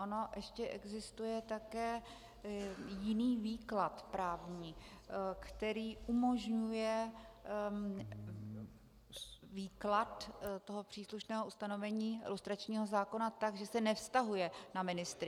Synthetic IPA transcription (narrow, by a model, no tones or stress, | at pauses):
ʔono̞ʔɛʃcɛʔɛɡzɪst̪ujɛt̪akɛː | jɪniːviːklat̪pɾaːvɲiː | kt̪ɛɾiːʔumo̞ʒɲujɛ | viːklat̪t̪o̞ɦo̞pr̝̥iːsluʃnɛːɦoust̪ano̞vɛɲiːɪ̰lust̪ɾat͡ʃɲiːɦo̞zaːko̞nat̪aɡʒɛsɛnɛfst̪aɦujɛnamɪnɪst̪ɾɪ